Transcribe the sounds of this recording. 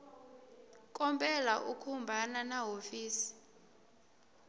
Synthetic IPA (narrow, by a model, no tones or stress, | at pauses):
kʼɔmpʼɛlaʔukʰumbʱananaɦofiːsi̥